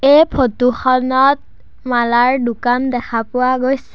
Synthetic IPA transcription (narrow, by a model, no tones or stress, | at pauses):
ejpʰotuxɔnɔt̚ | malaɹdʊkandɛkʰapʊwaɡojs